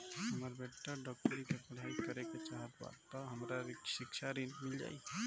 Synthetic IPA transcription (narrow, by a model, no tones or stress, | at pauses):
ɦəməɾbeʈːəɖɔk̚ʈəɾikepəɽ̤ʱaikəɾeket͡ʃaɦət̪ba̰t̪ːɔɦəmɾaɾsikt͡ʃʰaɾinmild͡ʒa̰j